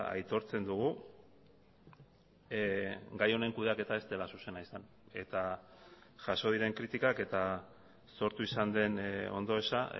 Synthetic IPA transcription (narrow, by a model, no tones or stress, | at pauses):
a̰jt̪o̞ɾt͡se̞nd̪uɣ̞u | ɡajo̞ne̞ŋkuðeake̞t̪ae̞st̪e̞lasuse̞naisan | e̞t̪a | ʝaso̞ð̞iɾe̞ŋkɾit̪ikake̞t̪a | so̞ɾt̪uisand̪e̞no̞̰nd̪o̞esa